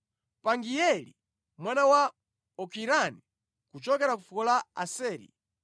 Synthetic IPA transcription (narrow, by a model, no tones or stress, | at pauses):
paŋɡijɛli | mwanawa | ɔkʰiɾani | kut͡ʃɔkɛɾakufukɔlaa̰sɛːɾḭ